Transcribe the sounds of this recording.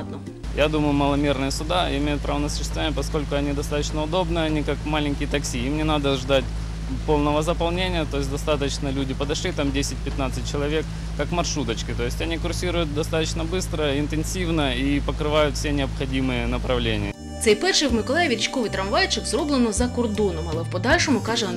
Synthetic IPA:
d̪nɔ | jad̪uməjʊmɐlˠɐmʲe̞rnɨjəsʊd̪aɪ̰mʲejʊt̪̚pɾʔavənəsʊ̥ɕːɪst̪vɐvanɪjəpɐsko̞lʲkʊɐnʲid̪ɐst̪at̪ət͡ɕnəʊd̪o̞bnɨɐnʲikakmalʲɪnʲkʲɪjət̪ɐksʲiimnʲɛnad̪əʐd̪atʲ | po̞lˠnəvəzəpɐlˠnʲenʲɪjət̪o̞ɪs̬ʲtʲd̪ɐst̪at̪ət͡ɕnəlʲudʲɪpəd̪ɐʂlʲit̪amdʲesʲɪt̚ʲpʲɪt̪nat̪sɨt̚ʲt͡ɕːɪlˠɐvʲekː | akmɐrʂɾut̪ət͡ɕkʲɪt̪o̞jɪsʲtʲɐnʲikʊrsʲiɾʊjʊt̪̚d̪ɐst̪at̪ət͡ɕnəbɨst̪ɾəɪnt̪ɨnsʲivnəipəkɾɨʋajʊt̪fʲsʲenʲɪɐpxɐdʲimɨjənɐpɾɐvlʲenʲɪjə | t̪sɛjpɛʃɪwmɪkɔlˠajʋʲit͡ʃkɔʋɨt̪ɾɐnʋajt͡ʃɪkzrɔblˠenɔzɐkʊrd̪unɔmɐlˠɛpɔd̪ɑlʲʃɔmʊkaʒɛ

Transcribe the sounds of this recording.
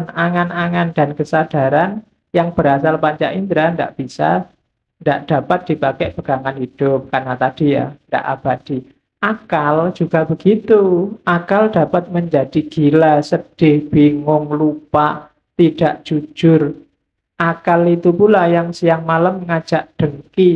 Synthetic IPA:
naŋanaŋandankəsad̥a̤ɾan | jaŋb̥əɾasalpaɲt͡ʃa̰ʔind̪ɾanda̰ʔb̥isa̰ | ndaʔd̥a̤pat̪̚d̥ipakɛʔb̥əɡ̥aŋanɦid̥ʊp̚karnat̪ad̥ija̰nda̰ʔab̥ad̪̥i | ʔakald͡ʒ̥uɡ̥a̤bəɡ̥it̪uʔakald̥a̤pat̪̚məɲd͡ʒad̥iɡ̥ilasəd̥ɪhb̥iŋʊŋlupaʔ | t̪id̥aʔd͡ʒ̥u̥d͡ʒʒ̥ʊr | ʔakalit̪upulajaŋsijaŋmalamŋḁd͡ʒ̥aʔɖ̥əŋki

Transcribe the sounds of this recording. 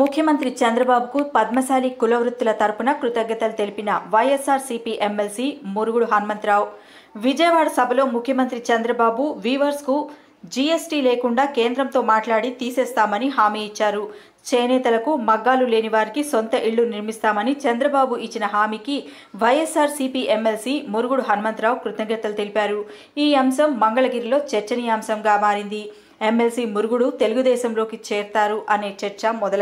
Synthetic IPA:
mukʰjɐmɐnt̪ɾit͡ʃɐnd̪ɾɐbaːbukupɐd̪̚mɐsaːlikulɐʋɾut̪ːulɐt̪ɐɾpunɐkɾut̪ɐɡːɐt̪ɐlɐt̪elipinɐʋɐjesaːɾsipiʔemːelsimuɾuɡuɽuɦɐnmɐnt̪ɾaːw | ʋid͡ʒɐjɐʋaːɽɐsɐbʱɐlo̞ːmukʰjɐmɐnt̪ɾit͡ʃɐnd̪ɾɐbaːbuʋiːʋɐɾsku | d͡ʒiːesʈiːleːkuɳɖaːkeːnd̪ɾɐmt̪o̞ːmaːʈlaːɽit̪iːseːst̪aːmɐniɦaːmiːit͡ʃːaːɾu | t͡ʃejɐnɛːt̪ɐlɐkumɐɡːaːlule̞ːniʋaːɾikisont̪ɐʔiɭːuniɾmist̪aːmɐnit͡ʃɐnd̪ɾɐbaːbuʔit͡ʃːinɐɦaːmiːki | ʋɐjesaːɾsipiʔemːelsiːmuɾuɡuɽuɦɐnɐmɐnt̪ɾaːwkɾut̪ɐɡɐt̪ːɐlɐt̪e̞lipaːɾu | iːɐmʃɐmːɐŋɡɐɭɐɡiːɾilo̞ːt͡ʃɛɾt͡ʃɐnijaːmsɐmɡaːmaːɾind̪i | eme̞lsiːmuɾuɡuɽut̪e̞luɡud̪ɛːʃɐmlo̞ːkit͡ʃɛːɾt̪aːɾuʔɐne̞ːt͡ʃɐɾt͡ʃɐmɔd̪ɐl

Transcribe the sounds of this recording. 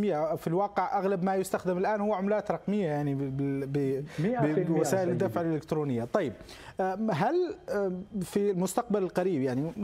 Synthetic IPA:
mɪjːafilwɑːqɪʕʔaɣlabmajʊst̪axd̪ɪmɪlʔaːnhʊwːaʕʊmlaːt̪ɾˤɑqmɪjːajaʕnibɪbɪbɪwasaːʔɪlɪd̪ːafʕalʔɪlɪkt̪ɾuːnɪjːat̪ˤɑjːɪb̚ | ɦal | filmʊst̪aq̚balɪlqɑɾiːbjaʕni

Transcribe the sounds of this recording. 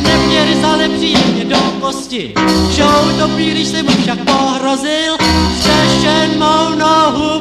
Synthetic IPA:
nɛmɲɛɾɪzanɛpr̥iːjɛmɲɛdokoscɪʃowdobɾiːɾɪʃsɪmufʃak̚poɦɾozɪlrɛʃɛnmownoɦu

